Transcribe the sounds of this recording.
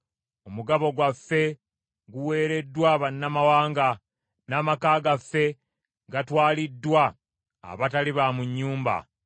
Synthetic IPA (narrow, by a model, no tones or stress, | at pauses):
o̞muɡaβo̞ɡwafːe̞ | ɡuwe̞ːɾe̞dːwaβanːamawaːŋɡa | naːmakaːɡafːe̞ | ɡatwaːlidːwa̰ː | βataliβamuɲːuːmba̰